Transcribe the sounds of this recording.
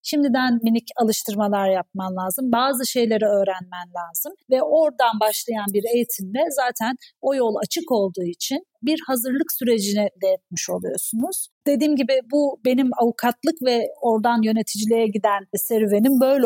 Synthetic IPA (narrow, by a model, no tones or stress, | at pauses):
ʃimd̪id̪ænminicalˠɯʃt̪ʰɯɾmalˠaɾjap̚mamlʲˠaːzɯmbaːzɯʃe̞jlʲe̞ɾɛø̞ːɾænmænlʲaːzɯmvɛʔo̞ɾd̪anbaʃlˠajanbiɾe̞jit̪ʰimlʲɛzaːt̪ʰæno̞jo̞lˠat͡ʃʰɯko̞lˠd̪uːit͡ʃʰinbiɾhazɯɾlˠɯksyɾe̞d͡ʒinɛd̪ejɛt̪̚miʃo̞lˠujo̞̰sunuz̥d̪̥e̞d̪iːmɟibɪbube̞nimavukʰat̪lˠɯkvɛo̞ɾd̪anjø̞ne̞t̪ʰid͡ʒilʲejɛɟid̪ænsɛɾyve̞nimbø̞jlʲ